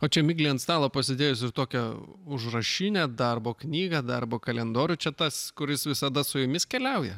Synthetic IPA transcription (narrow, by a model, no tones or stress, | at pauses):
oːt͡ʃʲɛmʲɪɡlʲiɛnt̪st̪ɑːlˠoːpɐsʲɪd̪ʲeːjʊsɪrt̪oːkʲɛʊʒrɐʃʲɪnʲɛd̪ɐrboːknʲiːɡɐd̪ɐrboːkɐlʲɛnd̪oːɾʲʊt͡ʃʲɛt̪ɐskʊɾʲɪsʋʲɪsɐd̪ɐsʊjʊmʲɪskʲɛlʲɛʊjɛ̰